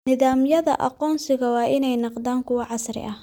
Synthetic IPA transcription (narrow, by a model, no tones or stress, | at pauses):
nɪðaːmjɐðɐ̰ʔɑ̰qɔːnsɪɣɐwɑːʔɪnɛjnɑqd̪aːŋkʰʊwɑʕɑsɾɪ̰ʔɐh